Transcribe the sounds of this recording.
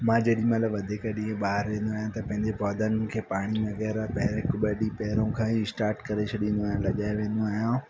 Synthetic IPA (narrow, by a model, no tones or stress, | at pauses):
mãːd͡ʑɐɗĩmɐt̪ləbʋɐd̪ʱikaɗĩːẽɓaːɦəɾʋẽːn̆d̪oaːɦjãt̪ɐpɐ̃ɦɪ̃ɲd͡ʑepɔːd̪ʱənkʰeːpaːɽ̃imẽɣɛːɾapɐɦɾekʊbɐɗipɛɦɪɾõkʰãːisʈaːɾʈkɐɾet͡ʃʰʊɗĩːnd̪oaːɦjãlɐɠaːeʋẽːnd̪oaːɦijã